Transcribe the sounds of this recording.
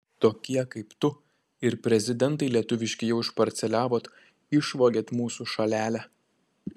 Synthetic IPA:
t̪oːkʲiɛkɐɪpt̪ʊ | ɪɾpʲɾʲɛzʲɪd̪ʲɛnt̪ɐɪlʲiɛt̪ʊʋʲɪʃʲkʲɪjɛʊɪʃpɐɾʲt̪sʲɛlʲæːʋoːt̪ | ɪʃʋoːɡʲeːt̪muːsuʃɐlʲæːlʲæ

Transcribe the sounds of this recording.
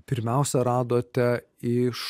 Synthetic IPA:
pʲɪɾʲmʲɛʊsʲɛɾɑːd̪oːt̪ʲɛ | ɪʃ

